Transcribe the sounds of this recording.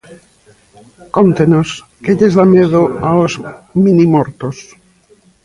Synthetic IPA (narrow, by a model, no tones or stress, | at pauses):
kont̪enos | keʎezðameðoaozminimoɾt̪os